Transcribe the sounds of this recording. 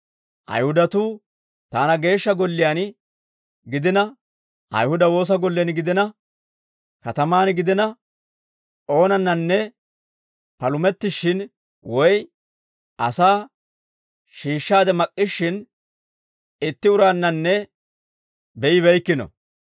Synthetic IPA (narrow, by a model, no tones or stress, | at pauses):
ʔɐ̰jhʊd̪ɐt̪uː | t̪aːnɐɡe̞ːʃːɐɡɔlːɪjan | ɡɪd̪ɪnɐ | ʔɐ̰jhʊd̪ɐwo̞ːs̬ɐɡɔlːɛnɡɪd̪ɪnɐ | kɐt̪ɐmaːnɡɪd̪ɪnɐ | ʔo̞ːnɐnːɐnːɛ | pɐlʊmɛt̪ːɪʃːɪn | wɔj | ʔɐsaː | ʃiːʃːaːd̪ɛmɐkʼːɪʃːɪn | ɪt̪ːɪʊɾaːnːɐnːɛ | bɛʔɪβɛjkːɪnɔ̰